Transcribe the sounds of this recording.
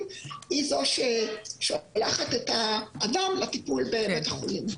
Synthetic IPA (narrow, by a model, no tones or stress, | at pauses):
izo̞ʃeʃolaχat̪et̪aːdamlat̪ipulbeːmet̪jeχolim